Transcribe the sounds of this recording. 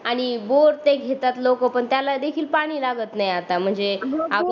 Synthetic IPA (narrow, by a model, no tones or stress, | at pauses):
aɽ̃iboɾt̪eɡʱet̪at̪lokəpəɳt̪jalad̪ekʰiːlpaɽ̃iːlaɡət̪najat̪am̤əɳd͡zea